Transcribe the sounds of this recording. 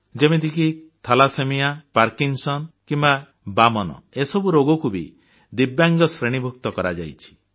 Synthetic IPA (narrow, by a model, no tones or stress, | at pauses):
d͡ʒemid̪ikit̪ʰalasemijapaɾkiŋsɔnkimba | bamɔnɔ̰esɔbuɾoɡɔkubḭ | d̪ibjaŋɡɔsɾeɽ̃ibʱukt̪ɔkɔɾad͡ʒa̰jt͡ʃʰi̥